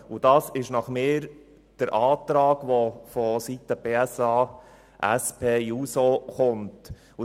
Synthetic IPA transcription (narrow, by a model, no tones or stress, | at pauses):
ud̥ɑːsɪʃnɑχmɪːɾ | d̥əɾʔɑːt̪ɾɑːɡʋofɔsitəb̥eːæsɑː | ʔæ̰spʰeːjuːsoχʊnt | u